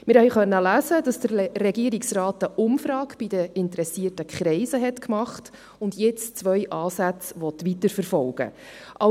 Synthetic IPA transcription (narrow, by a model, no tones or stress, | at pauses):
mɪɾhɛjχœnːəlæzədɑsd̥əɾrɛɡiəɾiksrɑːtəʔʊmfrɑːkb̥idəɪntɾɛsiətəkχɾɛɪsəɦɛtkmɑχt | ʊndjɛt͡st͡sʋœjʔɑːsæt͡sʋɔtʋitəɾfəɾfɔlɡ̥ə̰ | ʔɑ